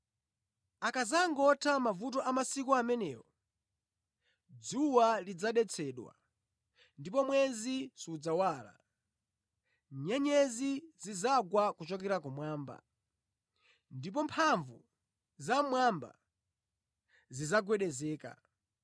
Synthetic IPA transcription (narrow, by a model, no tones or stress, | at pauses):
akazaŋɡɔtʰamavut̬ɔʔamasikɔamɛnɛ̰ːwɔ | d͡zuwalid͡zaɗɛt͡sʰɛːɗwa̰ | ndip̬ɔmwɛzisud͡zawaːla̰ | ɲɛɲɛzizizaɡwakut͡ʃɔkɛɾakumwaːmba̰ | ndip̬ɔmpʰaɱvu | zamwamba̰ | zizaɡwɛɗɛzɛːka̰